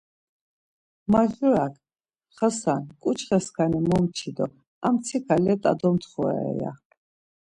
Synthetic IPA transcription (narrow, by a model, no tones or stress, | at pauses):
maʒuɾakʰ | χasankʼut͡ʃʰχɛskanimɔmt͡ʃʰid̪ɔ | amt̪t͡s̪ʰikʰalɛt̪ʼa̰d̪ɔmt̪ʰχuɛ̰ɛ̰ja̰